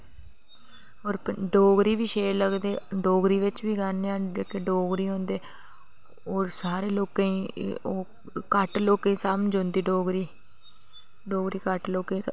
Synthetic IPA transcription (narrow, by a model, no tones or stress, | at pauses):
oːɾɖoːɡɾiːʋiːʃeːɾləɡd̪eːɖoːɡɾiːʋɪt͡ʃʋiːɡanːeãːekeɖoːɡɾiːɦõːnd̪eː | oːɾsaːɾeːloːkẽĩːoː | kəʈloːkeĩːsamd͡ʒʊ̃nd̪iːɖoːɡɾiː | ɖoːɡɾiːkəʈloːkẽː